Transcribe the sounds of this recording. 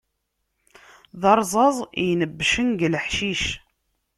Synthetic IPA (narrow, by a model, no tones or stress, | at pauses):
ðɑɾˤzˤɑzˤjnəbːʃənɡləħʃiʃ